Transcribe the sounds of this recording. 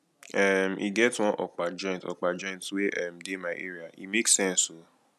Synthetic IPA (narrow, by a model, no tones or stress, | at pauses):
ɛmḭɡɛtwɔ̃ʔɔk͡pad͡ʒɔ̃ĩtɔ̰k͡pad͡ʒɔ̃ĩntweʔɛmdemaɪʔḛɾiaḭmeksɛ̃nso